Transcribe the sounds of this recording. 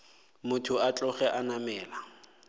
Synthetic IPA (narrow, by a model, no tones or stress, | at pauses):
mʊtʰʊat͡ɬʼɔχɛʔanamɛːla